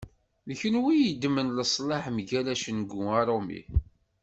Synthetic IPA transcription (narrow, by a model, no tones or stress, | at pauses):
ləçənwijəd̪mənləsˤlɑħmʝælæʃənɡuɑɾˤomḭ